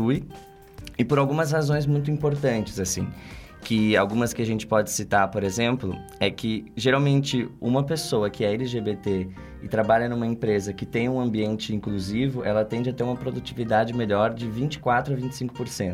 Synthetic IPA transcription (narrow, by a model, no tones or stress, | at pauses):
uɪ | ɪpoɾawɡũmɐshazõj̃zmũj̃t̪ʊĩpoɾt̪ɐ̃nt͡ʃɪ̥zasḭ̃ | kɪawɡũmɐskɪaʒẽnt͡ʃɪ̥pɔd͡ʒɪsit̪apoɾezẽmplʊ | ɛkʰɪʒeɾawmẽnt͡ʃɪũmɐpesowɐkɪɛɛliʒebet̪e | ɪt̪ɾabaʎɐnũmɐẽpɾezɐkɪt̪ẽj̃ũɐ̃mbiẽnt͡ʃɪĩkluzivʊʔɛlɐt̪ẽnd͡ʒɪat̪eɾũmɐpɾod̪ut͡ʃivid̪ad͡ʒɪmeʎɔɾd͡ʒɪvĩt͡ʃɪ̥kwat̪ɾʊavĩnt͡ʃɪsĩŋkʊ̥poɾsẽ